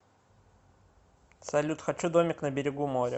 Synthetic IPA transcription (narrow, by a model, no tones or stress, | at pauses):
sɐlʲut̪xɐt͡ɕud̪omʲɪknəbʲɪɾʲɪɡumoɾʲə̰